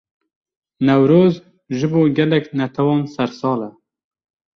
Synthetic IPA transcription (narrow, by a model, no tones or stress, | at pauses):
nɛwɾoːz | ʒɨboːɡɛlɛknɛt̪ʰɛwɑːnsɛɾsɑːlɛ